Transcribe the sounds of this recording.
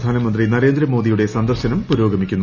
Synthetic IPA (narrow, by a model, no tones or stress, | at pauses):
d̪ʱaːnɐmɐnd̪rinɐɾe̞ːnd̪ɾɐmo̞ːd̪ijuɽe̞sɐnd̪ɐrɕɐnɐmpuɾo̞ːɡɐmikʲːunː